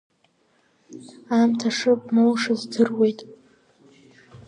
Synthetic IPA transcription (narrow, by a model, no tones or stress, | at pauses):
amtʰaʂɨbnolʂɨzdɨrwe̞jtʼ